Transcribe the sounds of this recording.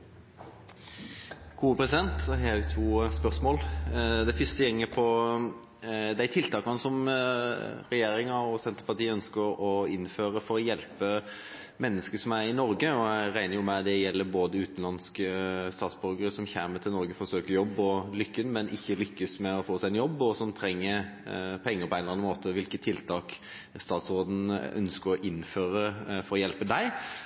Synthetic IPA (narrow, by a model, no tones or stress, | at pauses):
ɡ̥uːəpʰɾɛsɪd̪ɛnt̪ɛɦɛæʊt̪ʰuːspœʁsmoːld̪æɪfʏst̪əjɛŋːəpʰɔ | d̪ɛæɾt̪ʰɪlt̪ʰɑːkɑnəsɔm | ɾɛjeːɾɪŋɑɔsɛnt̪əpɑʁt̪iːœnskəɾɔɪnːføːɾəfɔɾɔjɛlpə | mɛnːəskəsɔmæɾɪnɔɾɡəɔæɾæɪnəɾjʊmɛd̪ɛjɛlːəɾboːd̪əʉːt̪n̩lɑnskəst̪ɑːt̪sbœɾɡəɾɪsɔmçæːmət̪ʰɪlnɔɾɡəfɔsøːkəɾjɔbːɔlʏkːənmɛnʔɪ̰çːəlʏkːəsmɛɔfoːsæɪɛnjɔbːɔsɔmt̪ʰɾɛŋːəpʰɔɛŋːəɾpɔæɪnɑnmoːt̪əʋɪlkət̪ʰːɪlt̪ʰɑːk | st̪ɑːt̪sʁoːd̪n̩œ̰nskəɾɔʔɪnːføːɾəfɔɾɔjɛlpəd̪æɪ